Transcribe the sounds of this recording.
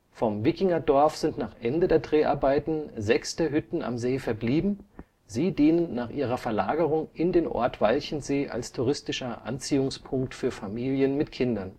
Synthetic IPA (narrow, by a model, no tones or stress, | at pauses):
fɔmvɪkɪŋɐdɔɐfz̥ɪntnaːχʔɛndədeːɐdʁeːʔa̰ɐbaɪtn̩zɛksd̥eːɐɦʏtn̩ʔa̰mzeːfɛɐbliːbm̩ | ziːdiːnənːaːχʔiːʁɐfɛɐlaːɡəʁʊŋʔɪndeːnʔɔ̰ɐtv̥alçn̩zeːʔa̰lstʰuʁ̞ɪstɪʃɐʔa̰nt͡siːʊŋspʰʊŋk̚tfyːɐfamiːljənmɪtkʰɪndɐn